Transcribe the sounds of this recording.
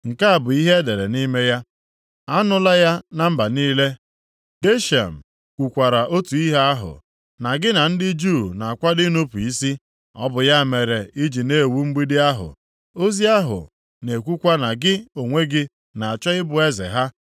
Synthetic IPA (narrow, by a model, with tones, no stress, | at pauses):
ŋ̩˨ka˦a˨bʊ˨i˦ɦe˦de˨ɾe˨ni˦me˦ja˦ | a˦nʊ˦la˦ja˦na˦˨m̩˦ba˨niː˦le˦ | ɡe˦ʃa̰˨m̩˨ | kʷu˨kʷa˨ɾa˨ʔo˦tu˨i˦ɦa˦a˦ɦʊ̰˨ | na˨ɡɪ˦na˨n̩˦dɪ˦d͡ʒuː˦˨na˨a˨kʷa˦dɪ˦no˦pu˨i˦si˦ | ɔ̰˦bʊ˨ja˦˨me˨ɾe˨i˦d͡ʒi˨ne˦˨wu˦ŋ͡m̩˦ɡ͡bi˦dɪ˦a˦ɦʊ̰˨ | o˦zi˦a˦ɦʊ̰˨ | ne˨kʷu˦kʷa˦na˨ɡɪ˦o˨ŋʷe˦ɡɪ˦ | na˨a˨t͡ʃɔ˦ɪ˦bʊ˨e˦zḛ˨ɦa˦